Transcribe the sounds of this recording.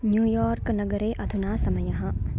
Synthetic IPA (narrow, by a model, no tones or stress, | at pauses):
njuːjɔːɾknɐɡəɾeːʔɐd̪ʰʱunaːsɐmɐjɐɦɐ̃